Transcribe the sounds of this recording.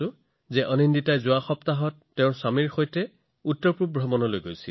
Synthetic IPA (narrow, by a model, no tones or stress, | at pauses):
ʊ | zɛʔɔninditajzʊaxɔptaɦɔtːeʊ̃ɹsamiɹxojtɛ | utːɔɹpɹup̚bʱɹɔmɔnɔlojɡojsil